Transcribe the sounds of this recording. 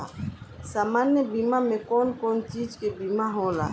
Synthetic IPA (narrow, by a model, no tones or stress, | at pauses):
a̰saːmaːnjəbimamẽkɔːnkɔːnt͡ʃiːd͡ʒkebiːmaɦõla̰ː